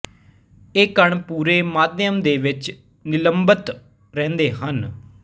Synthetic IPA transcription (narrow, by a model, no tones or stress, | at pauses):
eːkːəɳpuːɾeːmaːd̪jəmd̪eːʋɪt͡ʃ | nɪləmbət̪ | ɾɛ̃ːnd̪eːɦən